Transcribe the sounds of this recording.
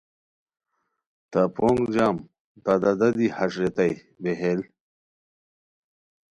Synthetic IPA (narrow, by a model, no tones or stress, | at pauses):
t̪apʰoːŋɡd͡ʑaːm | t̪ad̪ad̪ɐd̪ihɐʂɾet̪aj | beɦel